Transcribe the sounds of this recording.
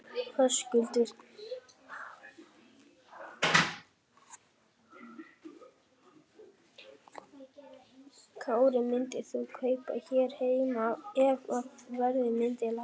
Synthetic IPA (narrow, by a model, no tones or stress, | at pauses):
hœscʏlt̪ʏɾ̥ | kʰvawɾɪmɪnt̪ɪ̥θukʰœːjpa̰çɛːɾ̥heːjmawɛvɔðvɛɾðɪmɪnt̪ɪla